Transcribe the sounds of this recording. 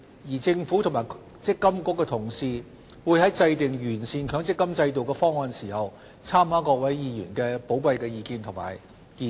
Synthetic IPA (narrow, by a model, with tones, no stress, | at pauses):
jiː˨˩t͡sɪ˧ŋfu˨˥t̪ʰʊ˨˩ŋmaː˨˩ | t͡sɪ˥kːɐ˥mkʊ˨˥kːɛ˧t̪ʰʊ˨˩ŋsiː˧ | wuː˨˧jhɐ˨˥jt͡sɐ˧jt̪ɪ˨ŋjyː˨˩nsiː˨˧nkʰœː˨˥ŋt͡sɪ˥kːɐ˥mt͡sɐ˧jt̪o˨wkɛː˧fɔː˥ŋːɔː˨˧nsiː˨˩hɐ˨w | t͡sʰaː˥mhaː˨˥kɔː˧k̚wɐ˨˥jjiː˧jy̰ː˨˩nkɛː˧po˨˥wpɐ˧jkɛː˧jiː˧kiː˧nt̪ʰʊ˨˩ŋma̰ː˨˩j | i˨